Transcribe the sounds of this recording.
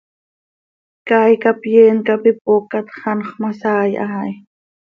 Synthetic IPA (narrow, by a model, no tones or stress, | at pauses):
kaːjkapjeːŋkapɪp̚ʼokat̪χɑnχmasaːjʔaj